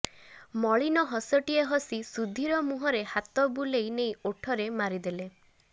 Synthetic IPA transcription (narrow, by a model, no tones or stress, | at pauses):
mɔɭinɔɦɔsɔʈieɦɔsisud̪ʱiɾɔmuɦɔɾehat̪ɔbulejnejoʈʰɔɾemaɾid̪ele